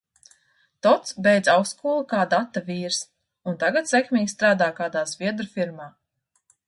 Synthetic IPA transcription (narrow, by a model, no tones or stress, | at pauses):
t̪ɔt̪sbʲɛjd̪zawskuːlˠukaːd̪at̪ːaviːɾs | unt̪aɡat̪sʲɛkmʲiːɡʲst̪ɾaːd̪aːkaːd̪aːzvʲiɛd̪ɾufiɾmaː